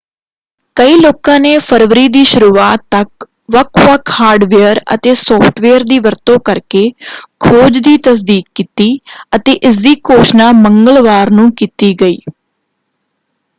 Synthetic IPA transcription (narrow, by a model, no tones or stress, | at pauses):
kəiːloːkãːneːpʰəɾʋɾiːd̪iːʃʊɾuːaːt̪ːək | ʋəkʰʋəkʰhaːɾɖʋeːəɾə̰t̪eːsɔːpʰʈʰʋeːəɾd̪iːʋəɾt̪õːkəɾkeːkʰoːd͡ʒd̪iːt̪əs̬d̪iːk̚ːiːt̪iːət̪eːʔɪs̬d̪iːkoːʃnaːməŋɡəlʋaːɾnũːkiːt̪iːɡəiː